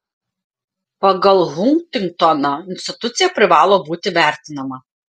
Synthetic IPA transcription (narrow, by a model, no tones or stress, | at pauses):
pɐɡɐlˠɣʊŋkt̪ʲɪŋk̚t̪ɔnɐɪnʲsʲt̪ʲɪt̪ʊt̪sʲɪjɛpʲɾʲɪʋɑːlˠoːbuːt̪ʲɪʋʲæˑɾʲt̪ʲɪnɐmɐ